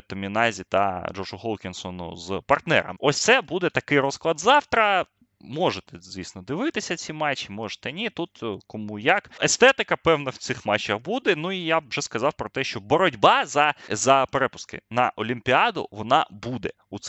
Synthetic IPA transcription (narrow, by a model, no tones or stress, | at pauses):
t̪ɔmʲinɑzʲit̪ɐ̰d͡ʒɔʒʊhɔlˠkʲɪnsɔnʊ̰zpɐrt̪nɛ̰ɾɐ̰mɔsʲt̪sɛbud̪ɛt̪ɐkɪjɾɔsklˠɐd̪zɑwt̪ɾɐ | mɔʒet̪ɛzʲʋʲisʲnɔd̪ɪʋɪt̪ɪsʲɐt͡sʲimɑt͡ʃːimɔʐe̥t̪ɛnʲit̪ut̪kɔmujɐkest̪ɛt̪ɪkɐpɛwnɐwt̪sɪxmɑt͡ʃːɐxbud̪ɛnuijabʒɛskɐzɑwpɾɔt̪ɛʃt͡ʃɔbɔɾɔdʲbɑzɐzɐpeɾɛpʊ̥skɪ̰nɐʔɔlʲimpʲiɑd̪ʊ̰ʋɔnɑ̰bud̪ɛ | ut̪s